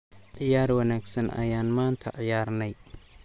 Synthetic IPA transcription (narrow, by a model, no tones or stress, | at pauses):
ʕɪjaːrwɐnaːɡsɐnʔɐ̰jaːnmaːnt̪ʰɐʕɪjaːrnɛj